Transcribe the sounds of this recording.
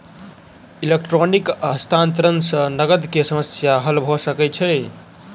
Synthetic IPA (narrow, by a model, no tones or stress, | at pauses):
ilekʈɾonikəst̪ʰant̪ɾənsə̃nəɡəd̪kesəməsjaɦəlbʱosəkɛt͡ʃʰɛ